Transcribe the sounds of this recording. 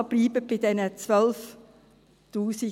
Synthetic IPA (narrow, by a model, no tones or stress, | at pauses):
b̥liːbəbɪdɛnət͡sʋœlf | tuːsɪ